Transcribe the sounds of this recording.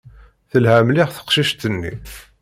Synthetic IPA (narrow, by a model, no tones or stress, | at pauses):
θəlhæmliʁθə̥qʃiʃt̪ənːḭ